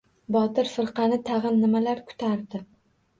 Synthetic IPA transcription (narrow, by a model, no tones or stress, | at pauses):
bɒt̪ɪɾfɪɾqɑnɪt̪ʰɑʁɨnːɪmalaɾkʰʊ̥t̪ʰaɾd̪ɪ